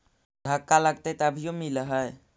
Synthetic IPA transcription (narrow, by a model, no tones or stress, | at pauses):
d̪ʱəkːaləɡt̪et̪əbʱijomilɦəj